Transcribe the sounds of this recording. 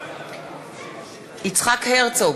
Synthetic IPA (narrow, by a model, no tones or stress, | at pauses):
it͡sχakhɛʁt͡so